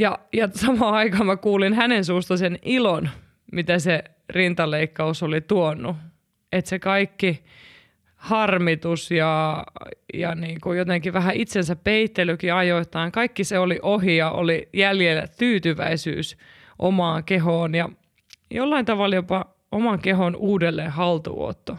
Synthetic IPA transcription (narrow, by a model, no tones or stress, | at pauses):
jɑjɑsɑmɑːɑikɑːmækuːlinhænensuːst̪ɑsenilon | mit̪æse | rint̪ɑleikːɑusolit̪uonːu | et̪sekɑikːi | hɑrmit̪usjɑ | jɑ̰niːkujot̪eŋkiʋæɦæit̪sensæppeit̪ːelykiɑjoit̪ːˑɑːŋkɑikːiseoliʔoɦiɑʔo̰lijæljelt̪yːt̪yʋæ̰isy̰ːs | ʔo̰mɑːŋkeɦoːnjɑ | jolːɑint̪ɑʋɑljopɑ | omɑŋkeɦonuːdelːeːhɑlt̪ṵo̰t̪ːo